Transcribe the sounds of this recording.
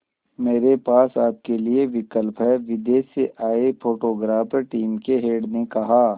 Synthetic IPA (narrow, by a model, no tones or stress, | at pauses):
meːɾepaːsaːp̚kelieʋɪkəlpɦɛʋɪd̪eːseʔaːepʰoːʈoːɡɾaːpʈiːmkeɦeːɖnekɐɦaː